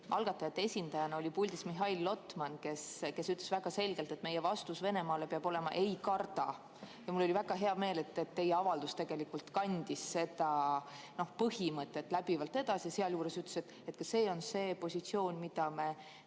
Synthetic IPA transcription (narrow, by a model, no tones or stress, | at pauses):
ʔɑlɡ̥ɑt̪ːˑɑjɑt̪ːeesʲind̪ɑjɑnɑo̞lʲipulʲd̪ismiɦɑilːo̞t̪mɑnke̞ske̞syt̪ːˑlesvæɡ̥ɑse̞lɡ̥e̞lt̪e̞t̪ːme̞jevɑst̪usve̞ne̞mɑːle̞peɑb̥o̞le̞mɑ̰ʔe̞jkɑrt̪ɑ | jɑmulːo̞livæɡ̥ɑɦe̞ɑme̞ːle̞t̪ːˑet̪ːe̞jeɑvɑld̪̥ust̪e̞ɡ̥e̞likult̪kɑnʲd̪̥isse̞d̪̥ɑ | no̞hpɤɦimɤt̪ˑːe̞t̪ːˑlæb̥ivɑlt̪ːe̞d̪̥ɑsijɑseɑljuːɾe̞syt̪lese̞t̪ːˑet̪kɑse̞ːo̞nse̞ːpo̞sʲit̪sio̞ːnʲmid̪̥ɑme̞